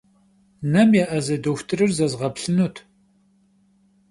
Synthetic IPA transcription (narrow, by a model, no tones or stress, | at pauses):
nɐmjaʔɐzɐdoxʷtʰɨrɨrzɐzʁɐpɬɨnutʰ